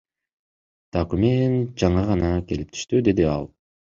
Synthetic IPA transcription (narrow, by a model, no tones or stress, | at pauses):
d̪̥okumʲent̪̚d͡ʒɑɴɯʁɑnɑke̞lip̚t̪ʰy̥ʃt̪yd̪e̞d̪iɑ̰lˠ